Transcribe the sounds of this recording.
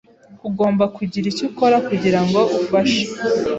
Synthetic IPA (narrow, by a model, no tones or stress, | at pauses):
kuɡo̞ːmbakuɟiɾicuko̞ɾakuɟiɾaŋɡo̞ufaʃe̥